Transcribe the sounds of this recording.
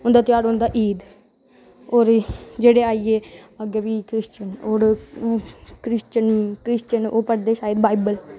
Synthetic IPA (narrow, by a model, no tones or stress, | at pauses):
ʊnd̪aːt̪ɪjaːɽõnd̪aːʔiːd̪ | oːɾd͡ʒeːɽeːaːiːeːəɡeʋiːkɾɪst͡ʃənoːɾ | kɾɪst͡ʃənkɾɪst͡ʃənoːpəɽd̪eːʃaːjəd̪baːibəl